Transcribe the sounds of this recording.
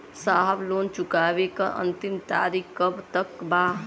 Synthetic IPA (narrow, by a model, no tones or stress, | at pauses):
saɦəbloːnt͡ʃukaːʋekəʔə̰̃nt̪imt̪a̰ːɾikkːəbt̪əkbaː